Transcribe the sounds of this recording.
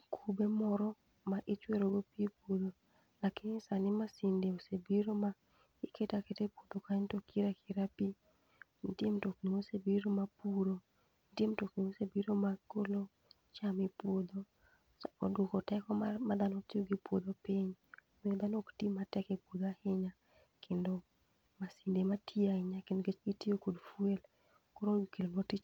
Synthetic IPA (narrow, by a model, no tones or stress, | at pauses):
kʰubemɔɾɔ | maʔit͡ʃweɾoɡopiepwod̪o | lakiɪnisanɪmasɪndeosebiɾoma | iketaketepwod̪okantokʰiɾakʰiɾapi | ntjemtokniosebiɾomapuɾo | ntjemtokniosebiɾomakolo | t͡ʃamipwod̪o | ɔdokɔtɛkɔmad̪anotioɡipwod̪opiɲ | mod̪anoktimatɛkepwod̪ahɪɲa | kʰendo | masindematʰiaɪɲakendoɡet͡ʃɡitiokodfwel | koɾoikellɔtit͡ʃ